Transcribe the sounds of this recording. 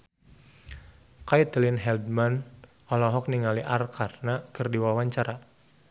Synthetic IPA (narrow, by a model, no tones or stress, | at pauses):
kait̪linɦɛldman | ɔlɔɦɔk̚niŋaliʔarkʰarnakɨrdiwawaɲt͡ʃaɾa